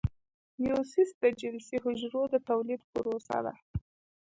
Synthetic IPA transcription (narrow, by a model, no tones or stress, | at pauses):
jusisd̪əd͡ʒɪlsiɦʊd͡ʒɾod̪ət̪awlid̪pəɾosa̰d̪a̰